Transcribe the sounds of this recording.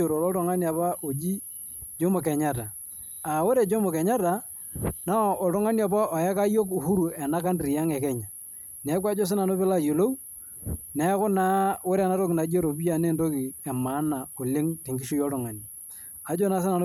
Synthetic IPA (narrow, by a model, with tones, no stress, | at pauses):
o˨ɾo˨lɔ˦tʊ˨ŋa˦ni˨a˨pa˦ʔo˨d͡ʒi˦ | d͡ʒo˦mo˨kɛ˨ɲa˦ta˨ | a˨wo˦ɾe˨d͡ʒo˦mo˨kɛ˨ɲa˦ta˨ | na˦˨ɔ˨tʊ˦ŋa˦ni˦a˨pa˦ɔ˨jɛ˦ka˦jo˦k̬u˨hu˦ɾu˨ɛ˨na˦ka˦ndɾi˨ja˦ŋɛ˨kɛ˦ɲa˨ | nɛ˨˦k̬wa˦d͡ʒo˦s̬ɪ˦na˨no˦pɪ˦la˦jo˨lo˦u˦ | nɛ˦kʊ˦na˦wo˦ɾɛ˨na˦ɾo˦kɪ˨na˨d͡ʒo˦ɾo˨pi˦ja˨ne˦˨nto˦ki˨ɛ˨ma˨˦na˨o˨lɪ˦ŋtɪ˨ŋɡɪ˦ʃʊ˦jɔ˦tʊ˨ŋa˨ni˨ | a˨˦d͡ʒo˦na˦s̬ɪ˦na˨no˦